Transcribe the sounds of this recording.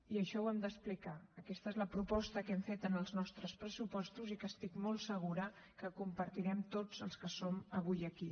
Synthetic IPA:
iəʃɔwɛmd̪əsplikaəkɛst̪əezləpɾupɔst̪əkɛmfet̪ənəlˠznɔst̪ɾəspɾəsupɔst̪uzikəst̪ikmɔlˠsəɣ̞uɾə | kəkumpəɾt̪iɾɛmt̪od͡zəlˠskəsoməβ̞ujəki

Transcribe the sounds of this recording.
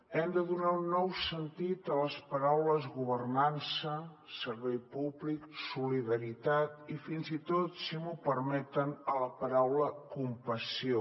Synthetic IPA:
ɛmd̪əðunaunːɔwsənt̪it̪ələspəɾawləzɣuβərnansə | səɾβɛjpuβliksuliðəɾit̪at̪ifinzit̪ot̪simupəɾmɛt̪ənələpəɾawləkumpəsio

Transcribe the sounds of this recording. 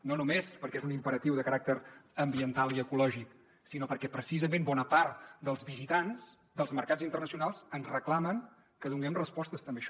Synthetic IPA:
nonumespəɾkɛezunimpəɾət̪iwðəkəɾak̚t̪əɾəmbiənt̪alˠiəkulɔʒik | sinopəɾkɛpɾəsizəmẽmbɔnəpaɾt̪d̪əlˠzβizit̪anz̥ | d̪əlˠzməɾkad͡zzint̪ərnəsiunalˠzənzrəklaməŋ | kəðuŋɡɛmrəspɔst̪əst̪əmbeəʃɔ

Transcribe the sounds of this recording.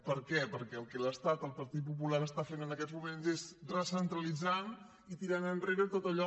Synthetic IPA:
pəɾkɛpəɾkɛəlˠkɛləst̪at̪əlˠpəɾt̪it̪̚pupulaɾəst̪afenənəkɛd͡zmumenzezrəsənt̪ɾəlid͡zan | it̪iɾanənreɾət̪ot̪əʎɔ

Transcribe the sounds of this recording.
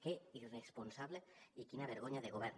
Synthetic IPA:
keiresponsaβleikinaβ̞eɾɣoɲaðeɣ̞oβeɾn

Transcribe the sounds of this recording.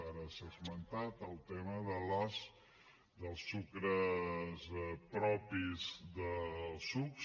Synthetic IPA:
aɾəsazmənt̪at̪əlˠt̪eməðəlas | d̪əlˠsukɾəzpɾɔpizðəlˠsuks

